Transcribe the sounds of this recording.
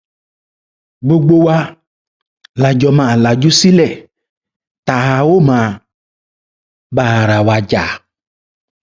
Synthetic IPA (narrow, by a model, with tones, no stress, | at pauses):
ɡ͡bo˨ɡ͡bo˦wa˦ | la˨d͡ʒɔ˨mã˨la˨d͡ʒu˦si˦lɛ˨ | t̪a˨ɦa˨wo˦mã˨ | ba˦˨ɾa˨wa˨d͡ʒa̰˨